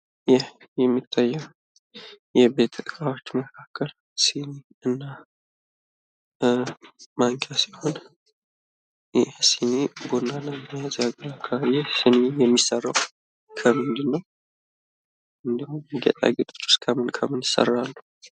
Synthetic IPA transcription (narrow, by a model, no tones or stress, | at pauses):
jɛhjɛmːit̪ʰːajːɛw | jɛbet̪ʰəkʼawot͡ʃːməkʰakʰːəl | sini | ɨnːa | maŋkʰʼasiho̞n | jɛsinebonːaləmjazaɡɾakʰəajɛsɨnejɛmːisərːəw | kʰəmɨnd̪ɨnːəw | ɨnd̪əhuɡɛ̰t̪ʼa̰ɡət̪ʼt͡ʃːʊ̥skʰəmɨnkʰəmɨnjɪsə̰rːalːu